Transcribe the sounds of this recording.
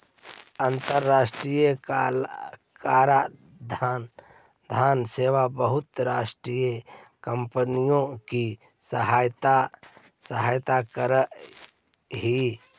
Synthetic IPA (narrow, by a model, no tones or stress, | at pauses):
ənt̪əɾːaːsʈɾijə | kaːɾa | d̪ʱn | d̪ʱaːnseːʋabəɦʊt̪ɾaːsʈɾijekəmpənijõki | səɦaːjt̪a | səɦaːjt̪akəɾə | ɦi